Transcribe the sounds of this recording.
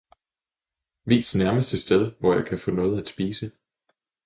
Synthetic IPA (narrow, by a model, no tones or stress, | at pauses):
ʋḭːsnæɐməsd̥əsd̥eð̞ˠʋɒjɑ̈ɪkʰæfɔ̰̽ːnɔ̽ːð̞̩ˠæd̥sb̥iːsə